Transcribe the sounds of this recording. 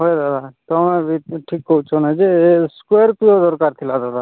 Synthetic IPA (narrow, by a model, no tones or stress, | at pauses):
ɦoed̪ad̪at̪oɦmɛbiʈʰikːout͡ʃʰonad͡ʒeskeɾpiod̪ɔɾkaɾt̪ʰilad̪ad̪a